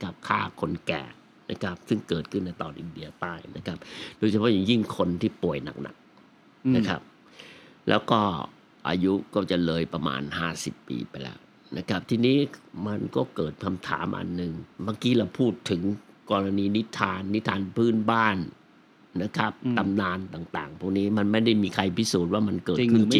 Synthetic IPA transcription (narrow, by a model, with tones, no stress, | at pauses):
na˦˥kʰa˦˥p̚kʰaː˥˩kʰo˧nkɛ̰ː˨˩ | na̰˦˥kʰa˦˥p̚sɯ˥˩ŋkɤː˨˩t̪̚kʰɯ˥˩nːa˧jt̪ɔː˧nʔi˧ndi˧ɐt̪aː˥˩jna˦˥kʰa˦˥p̚doː˧jt͡ɕʰa˧pʰɔ˦˥˩ja˨˩ŋji˥˩ŋkʰo˧nt̪ʰiː˥˩pu˨˩əjna̰˨˩k̚na̰˨˩k̚ | na˦kʰa̰˦˥p̚ | lɛ̰ː˦˥wkɔː˥˩ | ʔa̰ː˧ju˦˥kɔː˥˩t͡ɕa˨˩lɤː˧jpa˧ma̰ː˧nhaː˥˩sḭ˨˩pːḭː˧pa˧jlɛ̰ː˦˥w | nʔa̰˦˥kʰa˦˥p̚t̪ʰiː˧niː˦˥ma˧nkɔː˥˩kɤː˨˩t̪̚kʰa˧mt̪ʰa̰ː˩˦mʔa̰˧nːɯ˨˧ŋbaː˧ŋkiː˦˥ɾa˧wpʰuː˥˩t̪ʰːɯ˩˦ŋkɔː˧la˧niː˧ni˦˥t̪ʰːaː˧nːi˦˥t̪ʰːaː˧npʰɯː˥˩nbaː˥˩nː | a˦˥kʰa˦˥p̚t̪a˧mnaː˧nt̪aː˨˩ŋt̪a̰ː˨˩ŋpʰu˥˩k̚niː˦˥ma˧nma˥˩jda˥˩jmiː˧kʰa˧jpʰi˦˥suː˨˩t̪̚waː˥˩ma˧nkɤː˨˩kʰɯ˥˩t͡ɕi˨ŋ